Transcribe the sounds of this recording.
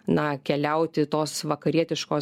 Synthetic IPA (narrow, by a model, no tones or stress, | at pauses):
nɐkʲɛlʲɛʊt̪ʲɪt̪oːsʋɐkɐɾʲiɛt̪ʲɪʃkoː